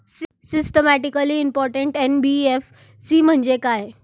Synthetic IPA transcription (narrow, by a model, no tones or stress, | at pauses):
s | sisʈəmæʈikəliːmpɔɾʈəɳʈenbief | siːm̤əɳd͡ʑekaj